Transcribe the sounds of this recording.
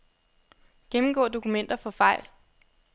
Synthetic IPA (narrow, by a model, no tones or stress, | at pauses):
ɡ̥emm̩ɡ̥ɔ̰̽ːd̥o̝kumen̰d̥ɐfɒ̽fɑ̈ɪ̰l